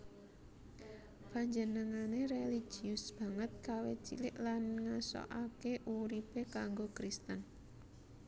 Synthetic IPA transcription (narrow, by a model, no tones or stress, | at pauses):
b̥aɲd͡ʒənəŋaneɾeli̥ʒ̥iʊsb̥a̤ŋət̪̚kawḛt͡ʃḭlɪ̰ʔlanŋasɔ̰ʔakeʔuɾipekaŋɡokɾist̪ən